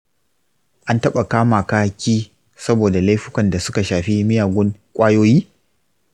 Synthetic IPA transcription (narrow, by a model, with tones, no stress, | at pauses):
ʔa˦ntɐ˦ɓa˨kaː˦maː˨kaː˦kʲiː˦ | sɐ˦boː˨da˨la˦jɸʊ˦kʷɐ˨nda˨sʊ˦ka˨ʃaː˨ɸi˦mɪ˦jaː˨ɡʷʊ˦ŋkʷʼaː˦joː˦jiː˦